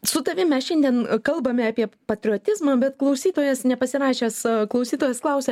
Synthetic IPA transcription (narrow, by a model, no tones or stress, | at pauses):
sʊt̪ɐʋʲɪmʲɛsʃʲɛnʲd̪ʲiɛnkɐlˠbɐmʲɛɑːpʲiɛpɐt̪ʲɾʲɪɔt̪ʲɪzmɑːbʲɛt̪klˠɐʊsʲiːt̪oːjɛsnʲɛpɐsʲɪɾɑːʃʲeːsklˠɐʊsʲiːt̪oːjɛsklˠɐʊsʲɛː